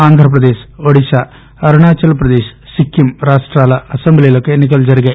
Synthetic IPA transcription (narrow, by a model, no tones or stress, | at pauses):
aːnd̪ʱɾɐp̬ɾɐd̪eːsoɽit͡ʃaː | ɐɾuɳaːt͡ʃːɐlɐpɾɐd̪eːssikːjumɾaːʂʈraːlɐɐsemblijɐlokːeːnːik̬ːɐld͡ʑɐɾiɡɐ